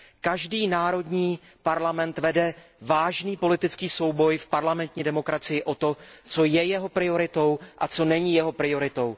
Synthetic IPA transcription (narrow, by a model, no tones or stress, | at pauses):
kaʒdiːnaːɾo̞dɲiː | paɾlamɛnt̪vɛdɛvaːʒniːpo̞lɪt̪ɪt͡skiːso̞wbo̞jfpaɾlamɛnt̪ɲiːdɛmo̞kɾat͡sɪjɪʔo̞t̪o̞t͡so̞jɛjɛɦo̞pɾɪo̞ɾɪt̪o̞wʔat͡so̞nɛɲiːjɛɦo̞pɾɪjo̞ɾɪt̪o̞w